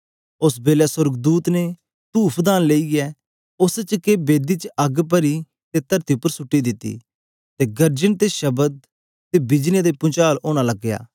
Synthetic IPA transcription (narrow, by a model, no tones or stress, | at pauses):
ʊsbeːlɛsʊɾɡd̪uːt̪ne | t̪uːpʰd̪aːnleːiɛː | ʊst͡ʃkebeːd̪it͡ʃɐɡp̬əɾi | t̪et̪əɾt̪iʊpːəɾsʊʈːid̪ɪt̪ːḭː | t̪eɡəɾd͡ʒənt̪eʃɐbəd̪̚ | t̪eːbɪd͡ʒnɪjad̪epʊ̃t͡ʃaːlʔoːñãlɐɡja̰ː